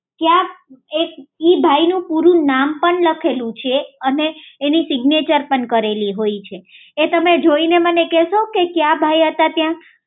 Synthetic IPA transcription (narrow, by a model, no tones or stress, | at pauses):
kjãkek̚ibʱainũpuɾũnampəɳləkʰelũt͡ʃʰeəneːnisiɡnet͡ʃəɾpəɳkəɾeliɦoit͡ʃʰeː | t̪əmed͡ʒoinemənekɛʃokekjabʱaiɦət̪at̪jã